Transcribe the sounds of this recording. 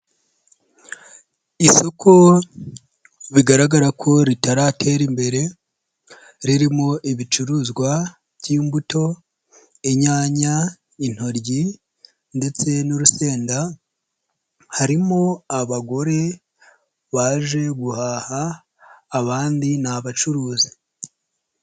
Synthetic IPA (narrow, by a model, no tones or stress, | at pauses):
iso̞kʰo̞ | βiɡaɾaɡaɾakʰo̞ɾitaɾatʰe̞ːɾimbe̞ɾe̞ | ɾiɾimo̞ʔiβit͡ʃuɾuzɡwa | βɟiːmbuto̞ | eɲaːɲa | in̥ho̞ɾɟi | nde̞t͡se̞nuɾuse̞ːnda | haɾimo̞aβaɡo̞ɾe̞ | βaʒe̞ɡuhaːhaː | βaːndinaβat͡ʃuɾuːzi